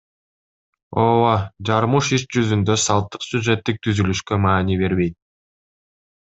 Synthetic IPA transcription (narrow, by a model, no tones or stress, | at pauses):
owod͡ʒɑɾmuʃiʃd͡ʒyzynd̪ø̞sɑlˠt̪ːɯ̥qsʲuʒe̞t̪ːik̚t̪ʰyzylyʃkø̞mɑːniβe̞ɾβe̞jt̪̚